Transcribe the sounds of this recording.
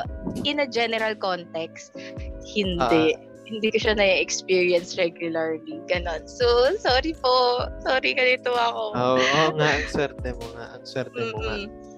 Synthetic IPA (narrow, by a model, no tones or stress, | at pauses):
ʔɪnɐd͡ʒɛnɛɾɐlkont̪ɛkst̪̚hɪnd̪ɛ | hɪnd̪ikʊʃɐnɐiɛkspiːɹiɐnsɹɛɡjʊlɐɹliɡ̥ɐno̞nsosoːɾiposoːɾiɡɐnɪt̪oɐkoooŋaʔɐŋswɛɾt̪ɛmoŋa̰ʔɐŋswɛɾt̪ɛː